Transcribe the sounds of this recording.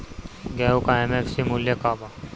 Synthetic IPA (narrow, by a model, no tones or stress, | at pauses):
ɡɛːukaɛmefsimʊljakaːba